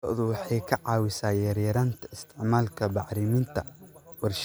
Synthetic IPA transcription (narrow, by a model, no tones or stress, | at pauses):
ɔ̰ːðʊwɑħɑjkʰɐʕɑːwɪsaːjɐɾjɐɾaːnt̪ʰɐɪst̪ʰɪʕmaːlkʰɐbɑʕɾɪmɪnt̪ʰɐwɑrʃ